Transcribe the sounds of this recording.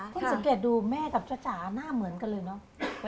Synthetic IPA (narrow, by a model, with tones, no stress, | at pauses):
t̪ʰa˥˩sa˨˦keː˨˩t̪̚duː˧mɛː˥˩ka˨˩p̚t͡ɕaː˧˩t͡ɕaː˩˦naː˥˩mɯ˨˩˦ənka˧lɤː˧jnɔ˦˥